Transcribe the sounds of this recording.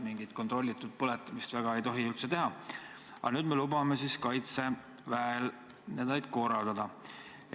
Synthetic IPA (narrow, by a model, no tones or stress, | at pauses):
miŋɡit̪̚ko̞nt̪ˑro̞lʲːit̪ːˑud̪̥̚pɤlet̪ːˑmist̪væɡ̥ɑe̞jt̪o̞ɦiylt̪se̞t̪e̞ɦɑ | ɑ̰nyːd̪̥me̞lubɑme̞siskɑjt̪se̞ | væel | ned̪ɑjd̪̥ko̞ːɾɑld̪ɑd̪̥ɑ